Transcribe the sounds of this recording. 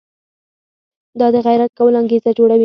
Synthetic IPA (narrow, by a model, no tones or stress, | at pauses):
d̪ɑd̪əɣajɾat̪̚kawəloaŋɡezad͡ʒoɽawi